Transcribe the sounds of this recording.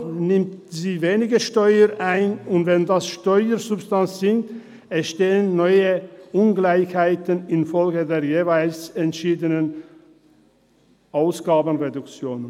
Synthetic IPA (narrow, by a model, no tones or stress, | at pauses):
nɪmtziːveːnɪɡəʃtɔʏəʔaɪnʊntv̥ɛndasʃtɔʏəzʊpstansz̥ɪŋk̚t | ɛʃteːənːɔʏəʔʊnɡlaɪçhaɪtənɪnfɔlɡədeːɐjeːvaɪlsɛntʃiːdənən | ʔaʊsɡ̥aːbən̩ʁedʊkt͡sjoːn